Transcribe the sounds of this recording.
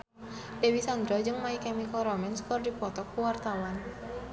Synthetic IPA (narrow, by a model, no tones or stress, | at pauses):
dewisand̪ɾɔd͡ʒɨŋmaikɛmiklɾɔmɛnskɔrdipɔt̪ɔkːuwart̪awan